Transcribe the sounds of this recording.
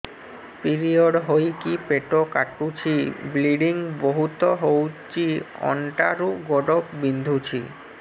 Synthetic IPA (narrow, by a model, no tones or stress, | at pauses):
piɾioɖɦojkipeʈokaʈut͡ɕʰibliɖiŋboɦut̪oɦowt͡ɕiɔ̰ɳʈaɾuɡɔɖokbind̪ʱut͡ɕʰḭ